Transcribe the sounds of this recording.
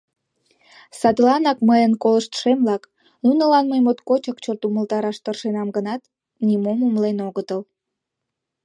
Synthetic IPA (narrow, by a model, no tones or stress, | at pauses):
sɑd̪lɑnɑkməjənkoləʃt̪ʃemlɑk | nunəlɑnməjmot̪kot͡ɕəkt͡ɕort̪uməlt̪ɑɾɑʃt̪ərʃenɑmɡənɑt̪ | nimomumlenoɣət̪əl